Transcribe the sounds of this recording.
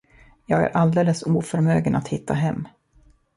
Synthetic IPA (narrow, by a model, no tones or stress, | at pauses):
jɑːɡæ̰ɾʔald̪eːləsuːfœɾmøːɡənat̪hɪt̪ʰːaɦɛmː